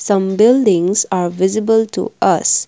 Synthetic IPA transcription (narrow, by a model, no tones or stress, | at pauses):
sʌ̃mbɪldɪ̃ŋzaːɾʋɪzɪbəlʈṵʔʌs